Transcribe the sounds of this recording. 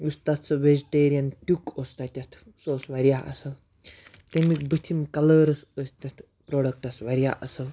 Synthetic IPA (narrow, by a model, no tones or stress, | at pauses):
ust̪at̪t͡sɐʋed͡ʒiʈeːɾijɐnʈʲukost̪at̪ʲɐt̪ʰ | soːsʋɐɾijaʔɐ̰sɐl | t̪emikbət̪ʰimkɐləːɾɐsəst̪ʲɐt̪ʰ | pɾoːɖɐk̚ʈɐsʋɐɾja̰ʔɐsɐl